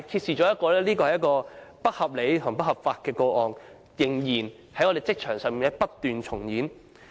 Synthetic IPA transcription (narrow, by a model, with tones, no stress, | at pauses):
kʰiː˧t̚siː˨t͡ʃɔː˨˥jɐ˥kɔː˧lɛː˥liː˥kɔː˧hɐ˨jːɐ˥tkɔː˧pɐ˥k̚hɐ˨p̚le˨˧jt̪ʰʊ˨˩ŋpɐ˥hɐ˨pfaː˧t̚kɛː˧ko˧ʔɔː˨n | jɪ˨˩ŋjiː˨˩n | hɐ˨˥jɔ˨˧de˨jt͡sɪ˥k̚t͡ʃʰœː˨˩ŋsœː˨ŋmiː˨nɛ˥pɐ˥tt̪yː˨nt͡sʰʊ˨˩ŋjiː˨˥n